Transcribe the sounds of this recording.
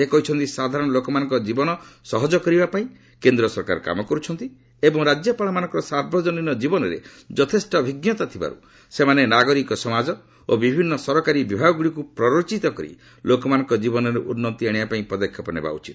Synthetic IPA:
ekɔɦit͡ʃʰɔnt̪isad̪ʱaɾɔɽ̃ɔlokɔmanɔ̃ŋkɔd͡ʒibɔnɔsɔɦɔd͡ʒɔkɔɾibapaĩ | kend̪ɾɔsɔɾka̰ɾka̰mɔkɔɾut͡ʃʰɔnt̪i | ebɔŋɾad͡ʒjɔpaɭɔmanɔ̃ŋkɔɾɔsaɾbʱɔd͡ʒɔninɔd͡ʒibɔnɔɾḛ | d͡ʒɔt̪ʰesʈɔbʱiɡnjɔt̪at̪ʰiba̰ɾṵ | semanenaɡɔɾikɔsɔmad͡ʒɔ | obibʱinːɔsɔɾɔkaɾibibʱaɡɔɡuɽikupɾɔɾot͡ʃit̪ɔkɔɾḭ | lokɔmanɔ̃ŋkɔd͡ʒibɔnɔɾeʔunːɔt̪iaɽ̃ibapaĩpɔd̪ekʰːjɔpɔnḛba̰ṵt͡ʃit̪

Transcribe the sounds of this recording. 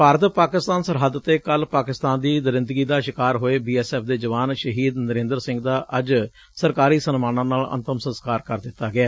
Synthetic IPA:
paːɾət̪paːkɪst̪aːnsəɾɦəd̪ɾət̪eːkəlpaːkɪst̪aːnd̪iːnəɾɪ̃nd̪ɡiːd̪aːʃɪkaːɾɦoːeːbiːɛːsɛːpʰd̪eːd͡ʒəʋaːnʃəɦiːd̪nəɾẽːnd̪əɾsɪ̃ŋɡd̪aːʔəd͡ʒ | səɾkaːɾiːsənmaːnãːnaːlə̰̃nt̪əmsə̃nskaːɾkəɾd̪ɪt̪ːaːɡɪaː

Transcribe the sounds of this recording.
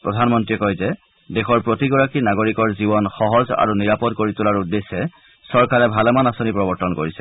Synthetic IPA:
pɹɔdʱanmɔntɹiɛkɔjzɛ | dexɔɹpɹotiɡɔɹakinaɡoɹikɔɹzibɔnxɔɦɔza̰ɹuniɹapɔdkoɹitulaɹudːesːɛ | sɔɹkaɹɛbʱalɛmanasonipɹɔbɔɹtɔnko̰ɹisɛ

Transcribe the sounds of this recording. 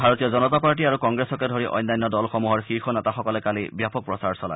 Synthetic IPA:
bʱaɹotijɔzɔnɔtapaɹʈiaɹukɔŋɡɹesɔkɛdʱoɹiʔɔ̰jnːajnːɔdɔlxɔmuɦɔɹxixɔnɛtaxɔkɔlɛkalibjapɔk̚pɹɔsaɹsɔla̰

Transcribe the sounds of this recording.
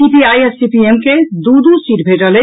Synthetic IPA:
ipiajesipiemked̪ud̪usiʈbʱeʈəle

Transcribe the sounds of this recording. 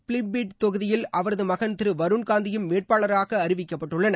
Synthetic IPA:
pɭɪmbiːʈ̚t̪ɔɣɯðɪjɪlɐʋɐɾɐðɯmɐɣɐnt̪ɪɾɯʋɐɾɯnkaːnd̪ɪjɯmʋeːʈ̚paːɭɐɾaːɣɐːɾɪʋɪkːɐpːɐʈːɯɭːɐnɐ

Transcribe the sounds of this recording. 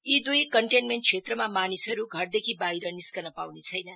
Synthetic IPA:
id̪ujkʌɳʈenmeɳʈ̚t͡sʰet̪rʌmamanisʌɾuɡʱʌrd̪ekʰibajɾʌniskʌnʌpawnet͡sʰʌjnʌ

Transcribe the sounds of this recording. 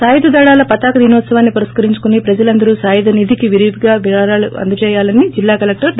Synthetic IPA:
saːjɐd̪ɐd̪ɐːɽaːlɐpɐt̪aːkɐd̪iːnɔːt̪sɐʋaːnːipɐɾɐskɐɾiɲt͡ʃu̥kunipɾɐd͡ʒɐlɐnd̪ɐɾuːsaːjɐd̪ɐnid̪ʱikiʋiɾid̪ɡaːʋiaːɾaːluɐ̰nd̪ɐt͡ʃɛːjaːlɐnid͡ʒilːaːkɐlek̚ʈɐɾ

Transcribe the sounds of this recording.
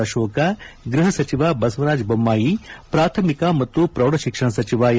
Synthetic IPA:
ɐʃoːkaɡɾiɦɐsɐt͡ʃiʋaːbɐsʋɐɾaːd͡ʒbɐmːaːjipɾaːt̪ʰɐmikamɐt̪ːupɾɐʋɽɐʃikʂɐɳɐsɐt͡ʃiʋaː

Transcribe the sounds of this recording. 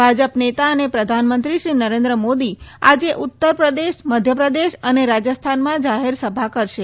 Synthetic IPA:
bʱad͡ʒəpnet̪aənepɾəd̪ʱanmənt̪ɾiʃɾinəɾẽnd̪ɾəmod̪ia̰d͡ʒeʔut̪ːəɾpɾəd̪eʃməd̪ʱjəpɾəd̪eʃəneɾad͡ʒəst̪ʰanmãd͡ʒaɦeɾsəbʱakəɾʃe

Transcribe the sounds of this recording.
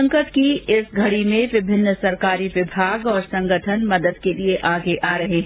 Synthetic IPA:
ŋkət̪kiɪsɡʱɐɽimẽʋɪbʱɪnːəsɐɾkaːɾiʋɪbʱaːɡɔːɾsɐ̃ŋɡəʈʰənmɐd̪əd̪kelieʔaːɡeʔaːɾɐɦeɦ

